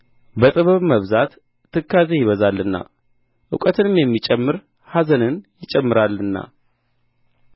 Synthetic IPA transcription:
bət̪ʼɨβəβməβzat̪ː | ɨkːazejɪβəzalːɨnːa̰ | ʔɨ̰kʼət̪ʰɨnɨmjɛmːit͡ʃʼɛmːɨɾ | hazənɨnjɪt͡ʃʼɛmːɨɾalːɨnːa̰

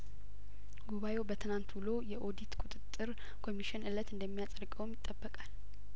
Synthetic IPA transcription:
ɡuβaje̞wbət̪ʰɨnant̪wulo̞jɛʔo̞d̪it̪kʼut̪ʼɨt̪ʼːɨɾ | kʰo̞miʃɪnɨlət̪ɨnd̪əmːijasʼəɾkʼəwmjɪt̪ʼːəbːəkʼal

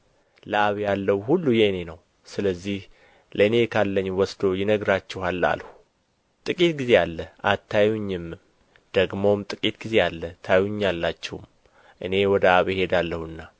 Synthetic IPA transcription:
ləaβjalːəhuhulːujeɨne̞nəw | sɨləzːih | ləɨne̞kʰalːəɲːwɔsd̪o̞jɪnəɡɾat͡ʃːɛhalːa̰lhu | t̪ʼɨkʼit̪ɡize̞alːəʔat̪ʰːajuɲːɪmːɨm | d̪̥əɡmo̞mt̪ʼɨkʼit̪ɡize̞alːət̪ʰajuɲːalːat͡ʃːɛwṵm | ʔɨne̞wɔd̪əaβjhe̞d̪alːəhuɨnːa

